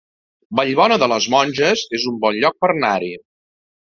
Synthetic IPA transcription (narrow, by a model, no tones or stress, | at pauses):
bəʎβɔnəðələzmɔnʲʒəzezumbɔnʎɔk̚pərnaɾi